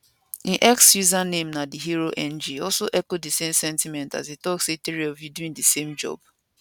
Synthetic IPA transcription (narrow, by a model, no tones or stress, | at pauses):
iʔɛksjuzanemnadiɦiɾoʔɛ̃nd͡ʒiɔlsoʔɛkodisemsɛ̃ntimɛ̃nta̰zitɔksetiɾiɔvjuduĩŋdisemd͡ʒɔ̰b